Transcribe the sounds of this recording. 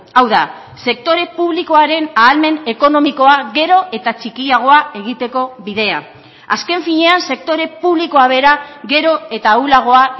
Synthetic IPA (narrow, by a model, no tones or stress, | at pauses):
awða̰ | se̞k̚t̪o̞ɾe̞puβliko̞aɾe̞naːlme̞ne̞ko̞no̞miko̞aɣe̞ɾo̞ʔe̞t̪at͡ʃikiaɣ̞o̞ae̞ɣit̪e̞ko̞βiðe̞a̰ | aske̞ɱfiɲe̞anse̞k̚t̪o̞ɾe̞puβliko̞aβe̞ɾaɣe̞ɾo̞e̞t̪aulaɣ̞o̞a